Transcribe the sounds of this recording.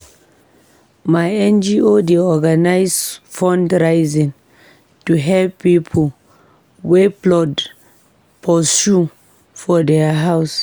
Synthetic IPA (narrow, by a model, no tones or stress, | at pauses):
majɛ̃nd͡ʒiodeɔɡanajsfɔ̃ndɹajzĩŋ | tuɦɛlppːipʰɔ | weplɔd | pʰɔsu | fɔdɛaɦaws